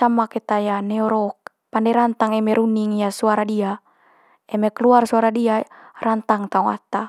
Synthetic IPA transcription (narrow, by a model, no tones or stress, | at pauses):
amakɛt̪ajanɛɔɾɔk̚ | pandɛɾant̪aŋɛmɛɾuniŋjasuaɾadia | ɛmɛkluarsuaɾadiarant̪aŋt̪aɔŋa̰t̪a